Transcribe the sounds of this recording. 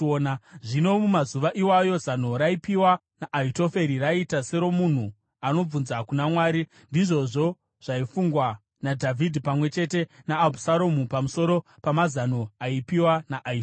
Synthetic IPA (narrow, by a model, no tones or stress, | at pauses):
naʐino̞mumazuʋaʔiwajo̞zano̞ɾaipiwa | naʔːito̞fe̞ɾiraitase̞ɾo̞mun̤u | ano̞b͡vunzakunamwaːɾi | ndiʐo̞ʐo̞ | ʐ̥aifuŋɡwa | nadʱavʱidʱipamwe̞t͡ʃe̞te̞naːbʱusaɾomupamuso̞ɾo̞pamazano̞aipiwanaʔːi